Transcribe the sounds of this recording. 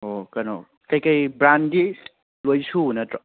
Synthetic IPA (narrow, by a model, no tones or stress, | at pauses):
okɐno̰ | kɐjkɐjbɾandi | lojsunɐtɾɔ